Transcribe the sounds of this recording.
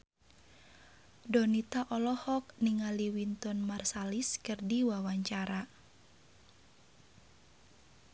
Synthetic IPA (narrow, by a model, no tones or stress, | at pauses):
dɔnit̪aʔɔlɔhɔk̚niŋaliwint̪ɔnmarsaliskɨrdiwawaɲt͡ʃaɾa